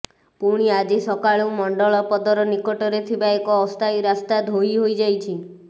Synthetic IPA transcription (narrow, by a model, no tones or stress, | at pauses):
puɽ̃iad͡ʒisɔkaɭumɔɳɖɔɭɔpɔd̪ɔɾɔnikɔʈɔɾet̪ʰibaekɔːst̪ʰajɾast̪ad̪ʱoiɦojd͡ʒajt͡ʃʰi